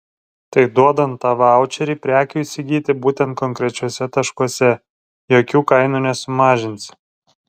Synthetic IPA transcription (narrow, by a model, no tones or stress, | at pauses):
t̪ɐɪd̪uɔd̪ɐnt̪ːɑːʋɑʊt͡ʃʲɛɾʲiːpʲɾʲæːkʲuːɪʃʲsʲɪɡʲiːt̪ʲɪbuːt̪ʲɛnt̪̚kɔŋʲkɾʲɛt͡ʃʲuɔsʲɛt̪ɐʃkuɔsʲɛ | joːkʲuːkɐɪnuːnʲɛsʊmɑːʒʲɪnʲsʲ